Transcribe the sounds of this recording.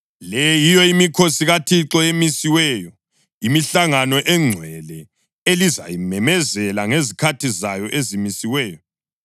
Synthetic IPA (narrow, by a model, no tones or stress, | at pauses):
lɛjijɔimikʰosiɣatʰiǁɔemisiwɛjɔ | imiɬaŋanɔʔɛŋ͡ǀʱwɛlɛ | eliza̰jimɛmɛzɛlaŋezikʰatʰizajɔʔezimisiwɛːjɔ